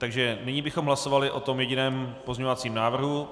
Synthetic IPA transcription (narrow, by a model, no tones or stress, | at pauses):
t̪aɡʒɛnɪɲibɪxo̞mɦlaso̞valɪʔot̪o̞mjɛɟɪnɛːmpozɲeɲovat͡siːmnaːvr̩ɦu